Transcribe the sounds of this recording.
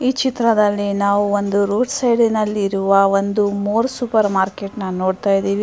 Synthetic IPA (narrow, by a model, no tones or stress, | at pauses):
iːt͡ʃit̪ɾɐd̪ɐlːinaːʋuond̪uɾoːɖsɐjɖinɐlːiɾuʋɐond̪umoːɾsupɐɾmaːɾke̞ʈnɐno̞ːɽt̪aːjd̪iːʋi